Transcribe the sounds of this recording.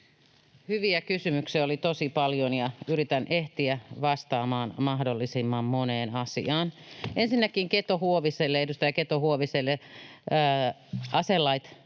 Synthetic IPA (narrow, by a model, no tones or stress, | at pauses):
hyʋiækysymyksiæolit̪osipɑljonjɑyɾit̪ænʔeht̪iæʋɑst̪ɑːmɑːnmɑhdolːisimːɑmmoneːnɑsḭɑːnensinːækiŋket̪ohuoʋiselːeedust̪æjɑket̪ohuoʋiselːeː | ʔɑselːɑit̪